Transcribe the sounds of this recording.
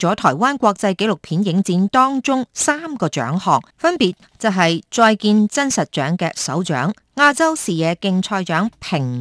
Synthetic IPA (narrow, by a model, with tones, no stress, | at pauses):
t͡sɔː˨˥t̪ʰɔː˨˩jwaː˥nkʷɔː˧k̚t͡sɐ˧jke˨˥lʊ˨k̚pʰiː˨˥njɪ˨˥ŋt͡siː˨˧nt̪ɔː˥ŋt͡sʊ˥ŋsaː˥mkɔː˧t͡ʃœ̰ː˨˥ŋhɔː˨kfɐ˥npiː˨t̚ | t͡sɐ˨wɦɐ˨jt͡ʃɔː˧jkiː˧nt͡sɐ˥nsɐ˨t̚t͡ʃœː˨˥ŋkɛ̰ː˧sɐ̰˨˥wt͡ʃœ̰ː˨˥ŋːaː˧t͡sɐ˥wsiː˨˩jɛː˨˧kɪ˧ŋt͡sʰɔː˧jt͡ʃœː˨˥ŋpʰɪ˨˩ŋ